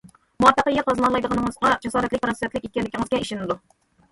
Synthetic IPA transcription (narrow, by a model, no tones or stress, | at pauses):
muɑt̪ːəqəjɑqʰɑzɨnɑlˠɑjd̪əʁɑnəŋəzʁɑd͡ʒɑsɑːɾɛt̪lɪk̚ʲpɾɑnsɛt̪lɪkʲekʲiɛlːɪkʲiŋɨz̥kʲɛiʃɪnɪd̪u